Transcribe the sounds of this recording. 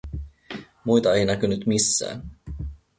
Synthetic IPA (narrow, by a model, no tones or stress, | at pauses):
mujt̪ɑejnækynyt̪misːæ̰ː